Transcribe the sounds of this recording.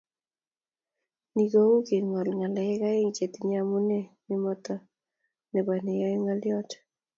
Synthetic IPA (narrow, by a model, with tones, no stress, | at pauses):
ni˨ɡo˦u˦ki˨ŋɔ˨lŋa˨lɛ˨ɪ˦ka˦ɪ˦ŋt͡ʃe˨t̪iɲa˨mu˦ne˦nɪ˦mɔ˦tɔ˦ | nɛ˨bɔ˨nɛ˨jɔ˦jŋa˦ljɔ˦t